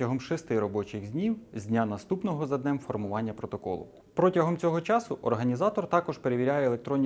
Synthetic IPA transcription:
ɐɦɔmʃɪst̪ɪɾɔbɔt͡ʃɪɣzʲnʲiwzʲdʲnʲanɐst̪upnɔɦɔzɐd̪nɛmfɔrmʊʋɑnʲːɐpɾɔt̪ɔkɔ̰lˠʊ̰ | pɾɔtʲɐɦɔmt͡sʲɔɦɔt͡ʃɑsʊʔɔ̰rɦɐnʲizɑt̪ɔrt̪ɑkɔʒpeɾeʋʲiɾʲajɛːlˠe̞k̚t̪ɾɔnʲː

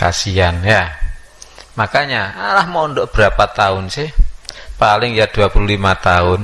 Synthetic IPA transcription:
ka̰sianja | makaɲaalahmɔnd̪ɔʔb̥əɾapat̪aʊnsɪhpalɪŋjad̪̥ṳapululimat̪aʊn

